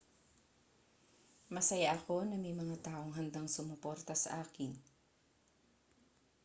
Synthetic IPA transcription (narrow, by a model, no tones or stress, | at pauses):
mɐsɐjaʔɐko̞nɐmɛjmɐŋat̪aːʔo̞ŋɦɐnd̪aŋsʊmɐpoɾt̪ɐsɐ̰ʔaːkɪn